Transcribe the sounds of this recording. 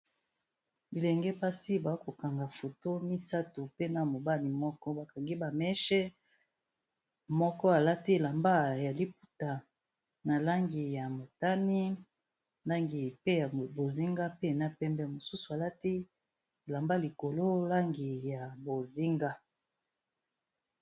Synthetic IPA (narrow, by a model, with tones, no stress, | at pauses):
bi˨lɛ˨ŋɡɛ˦pa˦si˦ba˨˦ko˨ka˨ŋɡa˨fo˨to˦mi˦sa˦tu˨pe˦na˨mo˨ba˦li˨mɔ˦kɔ˦ba˨ka˨ŋɡi˦ba˨mɛ˦ʃɛ˦ | mɔ˦kɔ˦a˨la˦ti˦e˨la˨mba˦ja˨li˦p̚u̥˦ta˨ | na˨la˦ŋɡi˨ja˨mo˨ta˦ni˦ | nda˦ŋɡi˨pe˦ja˨bo˨zi˦ŋɡa˦pe˦˨na˦pɛ˦mbɛ˦˨mo˨su˦su˨a˨la˦ti˦ | e˨la˨mba˦li˨ko˨lo˦la˦ŋɡi˨ja˨bo˨zi˦ŋɡa˦